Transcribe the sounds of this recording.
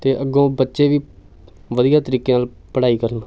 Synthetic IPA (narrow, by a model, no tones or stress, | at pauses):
t̪eːʔəɡõːbətːʃeːʋiː | ʋəd̪ijaːt̪əɾiːkeːnaːl | pəɽaːiːkəɾən